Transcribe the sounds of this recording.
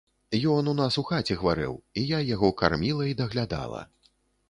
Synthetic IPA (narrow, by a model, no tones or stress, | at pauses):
jɔnunasuxat͡sʲɛɣɐvaɾɨ̰wijajaɣɔka̰rmʲilˠɐid̪ɐɣlʲad̪a̰lˠɐ̰